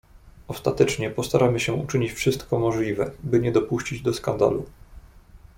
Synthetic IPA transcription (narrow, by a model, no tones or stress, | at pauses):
ɔst̪at̪ɛt͡ʂɲɛpɔst̪aɾʔamɘɕɛut͡ʂɘɲit͡ɕfʂɘst̪kɔmɔʐlʲivɛbɘɲɛd̪ɔpuɕt͡ɕid͡ʑd̪ɔskand̪a̰lu